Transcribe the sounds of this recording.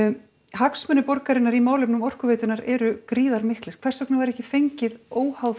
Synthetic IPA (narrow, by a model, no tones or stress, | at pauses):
ɦaksmœːnɪpɔɾkaɾɪnːaɾimaːwlɪpnʏmɔr̥kʏvɪːt̪ʏnaɾɛɾʏkɾiːðaɾmɪhklɪr̥kʰv̥ɛr̥sɛhknavaɾɛhcɪfejɲcɪðoːwhaw